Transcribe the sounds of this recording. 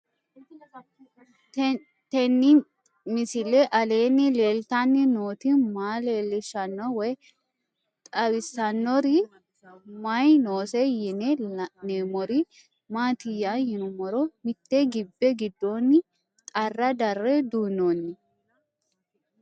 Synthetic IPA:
t̪ɛnːɪ | mɪsɪlɛʔɐle̞ːnːɪleːlt̪ɐnːɪnoːt̪ɪmaːleːlːɪʃɐnːɔwɔj | t̪ʼɐbɪsːɐnːɔɾɪ | mɐjnoːsɛjɪnɛneːmɔɾɪ | maːt̪ɪjːajɪnʊmɔɾɔmɪt̪ːɛɡɪbːɛɡɪd̪ːoːnːɪ | t̪ʼɐrːɐd̪ɐrːɛd̪uːnonːɪ

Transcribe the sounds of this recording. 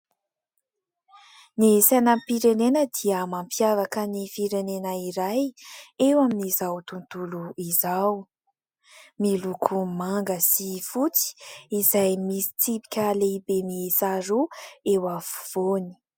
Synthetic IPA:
nisanəmpiɾenenəd̪iəmampjavakənifiɾenenəiɾajewaminizawt̪unt̪uluizaw | milukʰumaŋɡəsifut͡si̥izajmisi̥t͡sipi̥kʲalebemisaɾuewafu̥v̥oni̥

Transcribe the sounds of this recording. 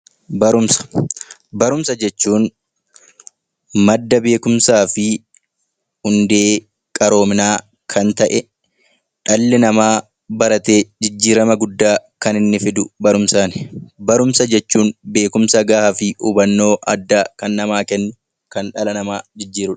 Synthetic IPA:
bɐɾʊmsɐ̥bɐɾʊmsɐd͡ʒɛt͡ʃːuːn | mɐd̪ːɐbe̞ːkʊmsaːfɪ | hʊnd̪e̞ː | kʼɐɾo̞ːmɪnaː | kʰɐnt̪ɐʔɛ | ᶑɐlːɪnɐmaː | bɐɾɐt̪e̞ːd͡ʒɪd͡ʒːiːɾɐmɐɡʊd̪ːaːkɐnɪnːɪfɪd̪ʊbɐɾʊmsaːnɪbɐɾʊmsɐd͡ʒɛt͡ʃːuːnbe̞ːkʊmsɐɡaːhɐfɪʔuːbɐnːo̞ːʔɐd̪ːaːkɐnːɐmaːkɛnːʊ | kɐnᶑɐlɐnɐmaːd͡ʒɪd͡ʒːiːɾʊᶑɐ̥

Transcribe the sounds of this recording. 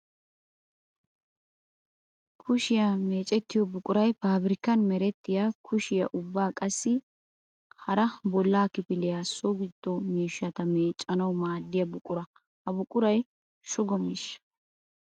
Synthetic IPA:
kʰʊʃɪjame̞ːt͡ʃʼɛt̪ːɪjɔbʊkʼʊɾɐjpaːbɾɪkːɐnmɛɾɛt̪ːɪjakʰʊʃɪjɐ̰ʔʊbːaːkʼɐsːɪ | hɐɾɐbɔlːaːkɪpɪlɪjaːsoɡɪd̪ːɔmiːʃːɐt̪ɐme̞ːt͡ʃʼːɐnɐwmaːd̪ːɪjɐbʊkʼʊɾɐ | hɐbʊkʼʊɾɐj | ʃʊɡɔmɪʃɐ̥

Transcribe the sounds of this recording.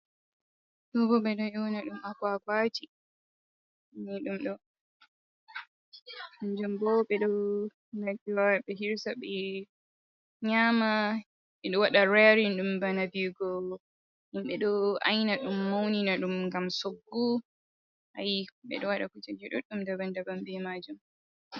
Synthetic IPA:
ɗɔɡɔɓɛɗɔjɔnaɗumakaɡwat͡ʃi | niɗumɗɔ | nd͡ʒumbɔɓɛɗɔ | naɡiwaaɓɛɦiɾsaɓɛ | ɲama | ɓɛɗɔwaɗaɾaɾinɗumbanabiɡɔ | ʔimɓɛɗɔa̰jnaɗumːawninaɗumŋɡamsoɡːu | ʔajiɓɛ̰ɗɔwaɗakut͡ʃad͡ʒiɗɔɗumdabandabambɛmad͡ʒum

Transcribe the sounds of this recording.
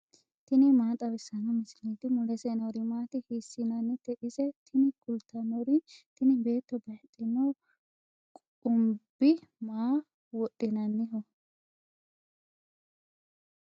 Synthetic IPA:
t̪ɪnɪmaːt̪ʼɐbɛsːɐnɔmɪsɪlit̪ɪmʊlɛsɛnɔwɾɪmaːt̪ɪhiːsːɪnɐnːɪt̪ɛʔɪsɛt̪ʰɪnɪkʊlt̪ʰːɐnɔɾɪt̪ɪnɪbe̞ːt̪ːɔbɐjt̪ʼːɪnɐw | kʼ | ʊmbɪmaː | wɔɗʼɪnɐnːɪɦɔ

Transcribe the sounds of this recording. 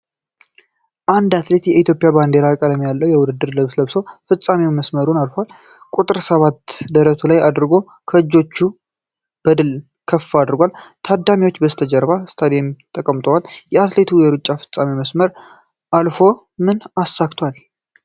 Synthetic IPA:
ʔand̪at̪le̞t̪jɛit̪ʰjo̞pʼjaband̪e̞ɾakʼəd̪amjalːəwjɛwʊd̪ɨd̪ːɨɾləβsləβsowfɨt͡sʼːamewməsməɾunalfəwal | kʼut̪ʼɨɾsəβat̪d̪əɾət̪ʰulajad̪ɾɡo̞ | kʰəɨd͡ʒːo̞t͡ʃːu | b̥əd̪ɨl | kʰəfːaːd̪ɾɡʷalt̪ʰad̪ːamiwot͡ʃːbəst̪ʰəd͡ʒəɾbast̪ʰad̪ejmt̪ʼːəkʼəmt̪ʼəwaljɛat̪le̞t̪ʰujɛɾut͡ʃʼːafɨ̥t͡sʼamiməsməɾ | ʔalfo̞ | mɨnasːakt̪ʰwal

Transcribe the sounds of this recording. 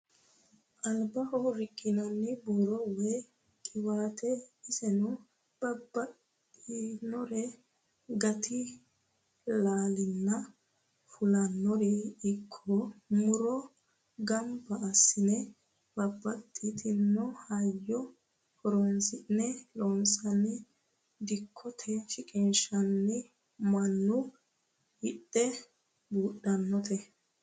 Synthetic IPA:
ʔɐlbɐhɔɾɪkʼːɪnɐnːɪbuɾɔwɛ | kʼɪwaːt̪ʰɛɪsɛnʊ | b̥ɐbːɐtː | inɔɾɛ | ɡɐt̪ɪ | laːlɪnːɐ | fʊlɐnːɔɾɪɪkʰːɔmʊɾɔ | ɡɐmbɐʔːsːɪnɛ | b̥ɐbːɐt̪ʼːit̪ʰɪnːɔhɐjːɔ | fɔɾɔnsɪnɛɾɔnsɐnɛ | d̪ɪkʰːɔt̪ʰɛʃɪkʼɪnʃɐnːɪ | mɐnːʊ | hɪɗːɛ | buːɗːɐnːɔt̪ɛ

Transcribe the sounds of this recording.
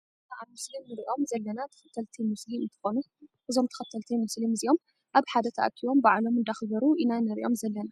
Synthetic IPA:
t̪ʰaʔamɨslimnɨɾʔo̞mzɐlːɐnat̪ʰɐ̥xɐt̪ʰɐlt̪ʰimɨsliɨnt̪ʰɨ̥xo̞nu | ʔɨzo̞mt̪ʰɐ̥xɐt̪ʰːɐlt̪ʰimɨslimɨziʔo̞m | ʔaβħad̪ɐt̪ʰɐʔɐ̰k̪ʰiwo̞mbaʕlo̞mɨnd̪axɡɐɾuʔinanɐɾiʔo̞mzɐlːɐna

